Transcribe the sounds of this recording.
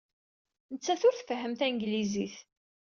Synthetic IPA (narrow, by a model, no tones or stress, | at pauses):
nət͡sːæθʊɾθfɦːəmθæŋɡliziθ